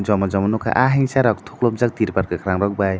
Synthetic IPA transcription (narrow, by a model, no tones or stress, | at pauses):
d͡ʒɔmɔzɔmɔnukʰa̰ʔaɦiŋsaɾɔk̚t̪ʰoklop̚zak̚t̪iɾpaɾkɯkʰɾaŋɾɔk̚baj